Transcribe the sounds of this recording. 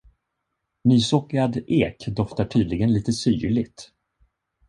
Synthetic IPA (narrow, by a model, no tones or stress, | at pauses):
nyːsɔkːɾad̪eːkd̪ɔft̪aʈʰyːd̪lɪɡənliːt̪əsyːɭɪɡt̪